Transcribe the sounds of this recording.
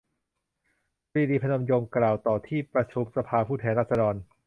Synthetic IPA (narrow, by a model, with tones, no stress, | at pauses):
ɾiː˧diː˧pʰa˧no˧mjo˧ŋklaː˨˩wt̪ɔː˨˩t̪ʰiː˥˩pɾa˧sʰu˨˦m̚sa˧pʰaː˧pʰuː˥˩t̪ʰɛː˧nɾaː˥˩t̚sa˧dɔː˧n